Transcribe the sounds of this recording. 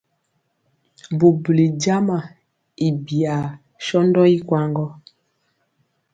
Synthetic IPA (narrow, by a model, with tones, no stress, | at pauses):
bu˨bli˨d͡ʒa˦ma˨ | i˨bi˨a˨ | ʃɔ˦ndɔ˦i˦kwa˦ŋɡɔ˦